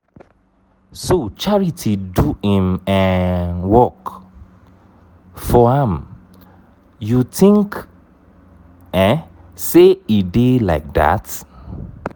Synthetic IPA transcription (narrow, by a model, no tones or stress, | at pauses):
sot͡ʃaɹitʰiduĩmɛ̃wɔk | fɔãm | jutĩŋk | ɛ̃seidelaɪk̚da̰t